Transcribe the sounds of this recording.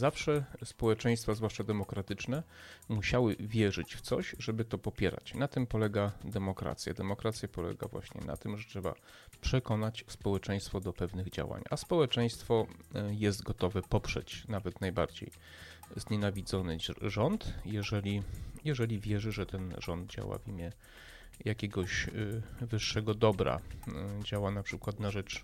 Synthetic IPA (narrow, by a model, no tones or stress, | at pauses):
zafʂɛspɔwɛt͡ʂɛ̃j̃st̪fazvwaʂt͡ʂad̪ɛmɔkɾat̪ɘt͡ʂnɛmuɕawɘvʲjɛʐɘt͡ɕft̪sɔɕʐɛbɘt̪ɔpɔpʲjɛɾa̰t͡ɕnat̪ɘmpɔlɛɡad̪ɛmɔkɾa̰t̪sʲja̰d̪ɛmɔkɾat̪sʲjapɔlɛ̰ɡa̰vwa̰ɕɲɛ̰na̰t̪ɘmʐɛtʂɛba̰ | pʂɛkɔnat͡ɕspɔwɛt͡ʂɛ̃j̃st̪fɔd̪ɔpɛvnɘɣd͡ʑa̰wa̰ɲaspɔwɛt͡ʂɛj̃st̪fɔjɛst̪ɡɔt̪ɔvɛpɔpʂɛ̰t͡ɕnavɛt̪najba̰ɾd͡ʑḛj | zɲɛnavʲid̪zɔnɘʐɔnt̪jɛʐɛlʲijɛʐɛlʲivʲjɛʐɘʐɛt̪ɛnʐɔnd̪̚d͡ʑa̰wa̰vʲimʲjɛ | jakʲɛɡɔɕ | vɘʂːɛɡɔd̪ɔbɾa̰d͡ʑawanapʂɘkwat̪naʐɛt͡ʂ